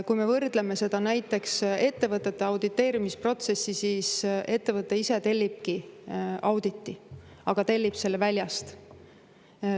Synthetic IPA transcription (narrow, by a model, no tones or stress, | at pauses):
kujme̞vɤrd̪̥leme̞se̞d̪̥ɑnæjt̪ːˑe̞kse̞t̪ːe̞vɤt̪ːˑe̞t̪ːeɑwd̪it̪ːe̞ːɾimispro̞t̪se̞sːisiːse̞t̪ːe̞vɤt̪ˑːe̞ise̞t̪e̞lʲːib̥̚ki | ɑwd̪̥it̪ːiɑɡ̥ɑt̪e̞lʲːib̥se̞lːevælʲjɑst̪